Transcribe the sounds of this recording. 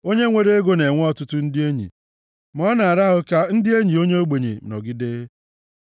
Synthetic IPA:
o˦ɲe˦ŋʷe˦ɾe˦e˦ɡo˦ne˨ŋʷ˦ɔ˦tʊ˦tʊ˦n̩˦dɪ˦e˦ɲḭ˨ | mɔ˦na˨a˨ɾa˦ɦʊ˦ka˦n̩˦dɪ˦e˦ɲi˨o˦ɲe˦o˦ɡ͡be˨ɲḛ˨nɔ̰˨ɡɪ˦deː˦

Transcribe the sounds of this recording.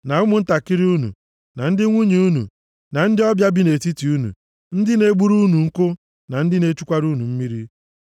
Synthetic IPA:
na˨ʊ˦mʊ˦n̩˦ta˨ki˦ɾi˦u˦nṵ˨ | na˨n̩˦dɪ˦ŋʷu˦ɲe˨u˦nṵ˨ | na˨n̩˦dɪ˦ɔ˦bja˦bi˦ne˨ti˦ti˨u˦nṵ˨ | n̩˦dɪ˦ne˨ɡ͡bu˦ɾu˦nu˨ŋ̩˦kʊ˦ | na˨n̩˦dɪ˦ne˦t͡ʃu˦kʷa˦ɾu˦nu˨m̩˦mi˦ɾi˦

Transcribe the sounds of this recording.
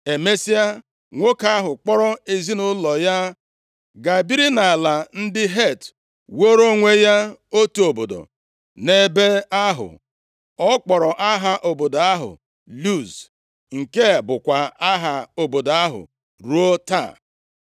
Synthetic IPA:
e˨me˦si˦a˦ | ŋʷo˦ka˦ɦʊ˨k͡pɔ˦ɾɔ˦e˨zi˦nʊ˦lɔ˨ja˦ | ɡa˨bi˦ɾi˦na˨a˨la˨n̩˦dɪ˦ɦe˦˨t | wo˦ɾo˦ŋʷe˦ja˦o˦tu˦o˨bo˨do̰˨ | ne˦be˦a˦ɦʊ̰˨ | ɔ˦k͡pɔ˨ɾɔ˨ʔa˦ɦa˦ʔo˨bo˨do˨a˦ɦʊ̰˨ | lu˦˨z | ŋ̩˨ke˦˨bʊ˨kʷa˨a˦ɦa˨o˨bo˨do˨a˦ɦʊ̰˨ | ɾu˦o˦ta̰˦˨

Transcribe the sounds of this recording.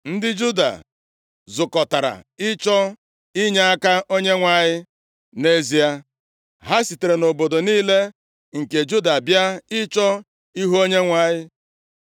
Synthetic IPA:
n̩˦dɪ˦d͡ʒu˦da̰˨ | zʊ˨kɔ˨ta˨ɾa̰˨ɪ˦t͡ʃɔ˦ | ɪ˦ɲa˦a˦ka˦ʔo˦ɲe˦ŋʷa˨ɲɪ˦ | ne˦zi˨a˦ | ɦa˦si˨te˨ɾe˨no˨bo˨do˨niː˦le˦ | ŋ̩˨ke˨d͡ʒu˦da˨bja˦ɪ˦t͡ʃɔ˦ | i˦ɦu˦o˦ɲe˦ŋʷa˦˨ɲɪ˦

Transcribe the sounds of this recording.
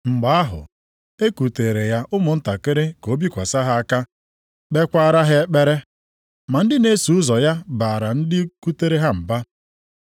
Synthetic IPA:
ŋ͡m̩˨ɡ͡ba˨˦a˦ɦʊ̰˨ | e˦ku˨te˨ɾe˨ja˦ʔʊ˦mʊ˨n̩˦ta˨kɪ˦ɾɪ˦ko˨˦bi˦kʷa˨sa˦ɦa˦a˦ka˦ | k͡pe˦kʷaː˦ɾa˦ɦe˦e˦k͡pe˦ɾe˦ | ma˨n̩˦dɪ˦ne˦su˨ʊ˦zɔ˨ja˦ba˨ɾa˨n̩˦dɪ˦ku˦te˦ɾe˦ɦa˦m̩˨ba˦

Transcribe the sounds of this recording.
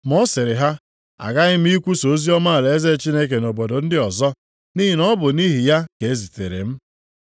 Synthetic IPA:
m˨ɔ˦sɪ˨ɾɪ˨ɦa˦ | a̰˨ɡa˦ɣɪ˦m̩˦i˦kʷu˦so˨˦zi˦ɔ˦ma˦˨le˨e˦ze˦˨t͡ʃi˦ne˦k̬e˨no˨bo˨do˨n̩˦dɪ˦ɔ˨zɔ˦ | ni˦ɦi˨nɔ˦bʊ˨ni˦ɦi˨ja˦ke˨e˦zi˨tḛ˨ɾḛ˨m̩˦

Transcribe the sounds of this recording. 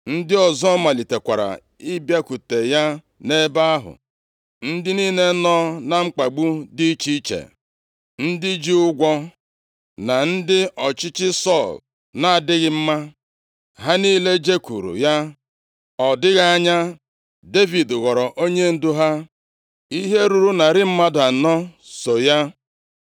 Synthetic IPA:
n̩˦dɪ˦ɔ˨zɔ˦ma˨li˨te˨kʷa˨ɾa̰˨ | ɪ˦bja˦ku˨te˨ja˦ | ne˦ba˦a˦ɦʊ̰˨ | n̩˦dɪ˦niː˦ne˦nɔː˦na˨ŋ͡m̩˦k͡pa˨ɡ͡bu˦di˦i˦t͡ʃi˦t͡ʃḛ˨ | n̩˦dɪ˦d͡ʒi˦ʊ˦ɡʷɔ˦ | na˨n̩˦dɪ˦ɔ˨t͡ʃɪ˦t͡ʃɪ˦sɔ˦˨l | na˨a˨dɪ˦ɣɪ˦m̩˦ma˦ | ɦa˦niː˦le˦d͡ʒe˦kṵ˨ɾṵ˨ja˦ | ɔ˨dɪ˦ɣa˦a˦ɲa˦ | de˦vi˨dɣɔ˨ɾɔ˨ʔo˦ɲe˦n̩˦du˦ɦa˦ | i˦ɦe˦ɾu˨ɾu˦na˨ɾɪ˦m̩˦ma˦dʊ˨a˨nɔ˦ | so˨ja˦

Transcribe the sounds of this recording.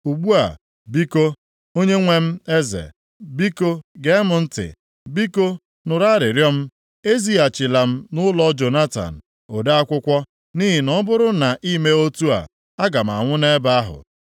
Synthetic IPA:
u˨ɡ͡bu˦a̰˨ | bi˦ko˦ | o˦ɲe˦ŋʷe˦m̩˦e˦zḛ˨ | bi˦ko˦ɡe˦mʊ˨n̩˦tɪ̰˨ | bi˦ko˦ | nʊ˨ɾa˦ɾɪ˨ɾjɔ˦m̩˦ | e˦zi˦a˨t͡ʃɪ˨la˨m̩˦nʊ˦lɔ˦d͡ʒo˨na˦ta̰˨n̩˨ | o˨da˦a˦kʷʊ˦kʷɔ˦ | ni˦ɦɪ˨nɔ˦bʊ˦ɾʊ˦na˨ʔi˦me˦o˦tu˦a̰˨ | a˦ɡa˨m̩˨a̰˨ŋʷʊ˦ne˦ba˦a˦ɦʊ̰˨

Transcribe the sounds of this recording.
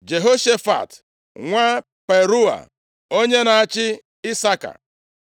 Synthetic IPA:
d͡ʒe˨ɦo˦ʃe˦fa̰˨t | ŋʷa˦ | pe˨ɾu˦a̰˨ | o˦ɲe˦na˨a˦t͡ʃɪ˦ | ɪ˦sa˦ka̰˨

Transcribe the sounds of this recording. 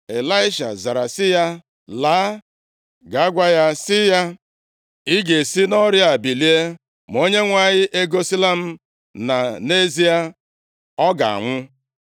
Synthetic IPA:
e˨la˦ɪ˦ʃa̰˨za˨ɾa˨sɪ˦ja˦ | laː˨˦ | ɡa˨˦ɡʷa˦ja˦sɪ˦ja˦ | i˦ɡe˨si˦nɔ˦ɾja˨bi˨li˦e˦ | m˨o˦ɲe˦ŋʷa˨ɲɪ˦ʔe˦ɡo˦si˦la˦m̩˨ | na˨ne˦zi˦a˦ | ɔ˦ɡa̰˨a̰˨ŋʷʊ˦

